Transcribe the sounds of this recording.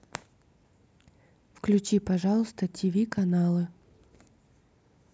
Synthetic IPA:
fklʲʉt͡ɕipɐʐalˠəst̪ətʲivʲikɐnalˠɨ

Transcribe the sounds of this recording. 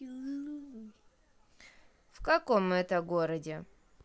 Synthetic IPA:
fkɐkomɛt̪əɡoɾədʲɪ

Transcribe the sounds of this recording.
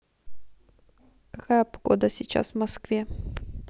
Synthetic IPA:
kɐkajəpɡ̥o̰d̪əsʲɪt͡ɕa̰svmɐskvʲe

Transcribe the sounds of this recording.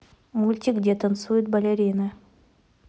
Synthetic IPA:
mulʲt̪ʲikdʲet̪ɐnt̪sujʊt̪̚bɐlʲeɾʲijnɨ

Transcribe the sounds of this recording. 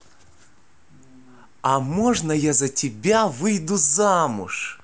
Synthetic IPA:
ɐmɔʐnɐjazɐtʲɪbʲavɨjd̪ʊzamʊ̰ʂ

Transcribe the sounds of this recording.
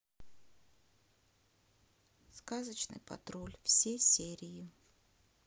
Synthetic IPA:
skazət͡ɕnɨ̰jpɐ̰t̪ɾolʲfsʲejsʲeɾʲɪjɪ

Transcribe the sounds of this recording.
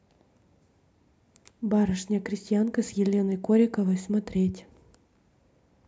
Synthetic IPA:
baɾəʂnʲɪjəkɾʲɪsʲtʲɪjankəsjɪlʲe̞nəjkoɾʲɪkəvəjsmɐt̪ɾʲetʲ

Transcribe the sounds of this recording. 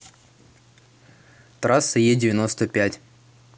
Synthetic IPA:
t̪ɾasːɨjedʲɪvʲɪnost̪əpʲætʲ

